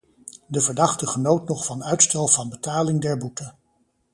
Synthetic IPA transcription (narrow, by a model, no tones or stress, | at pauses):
dəvəɹdɑχtəχənowtnɔχfɑnœɥtstɛlˠvɑnbətaːlɪŋdɛɹbutə